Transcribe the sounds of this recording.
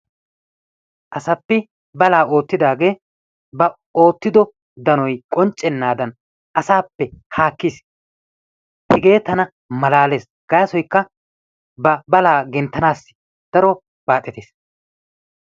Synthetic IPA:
ʔɐsɐpːɛ | bɐlaːo̞ːt̪ːɪd̪aːɡe̞ː | bɐ | o̞ːt̪ːɪd̪ɔ | d̪ɐnɔjkʼɔnt͡ʃʼːɛnːaːd̪ɐn | ʔɐsaːpːɛhaːkːiːs | pɪɡe̞ːt̪ːɐnɐ | mɐlaːle̞ːs | ɡ̥ɐjɐsɔjkːɐ | bɐbɐlaːɡɛnt̪ːɐnaːsːɪ̥ | d̪̥ɐɾɔ | b̥aːt̪ʼːɛt̪eːs

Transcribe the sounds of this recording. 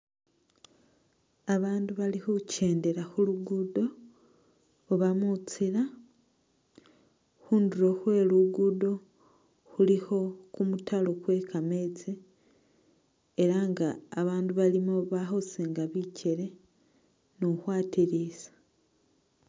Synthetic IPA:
aβaːnduβalihucʰe̞ːnde̞ɾaxuluɡudo̞ | βamut͡siɾa | xuːnduɾo̞xwe̞ːluɡudo̞ | xuliho̞kumutʰalo̞kwe̞kʰame̞t͡si | eɾaŋɡaːβaːnduβalimoβaxoseŋɡaβicʰe̞ɾe̞ | noxwaːtiɾisḁ

